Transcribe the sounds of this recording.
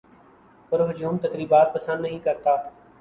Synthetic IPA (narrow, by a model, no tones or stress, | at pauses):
pəɾɦʊd͡ʒuːmt̪əkɾiːbaːt̪̚pəsənd̪nəɦĩːkəɾt̪aː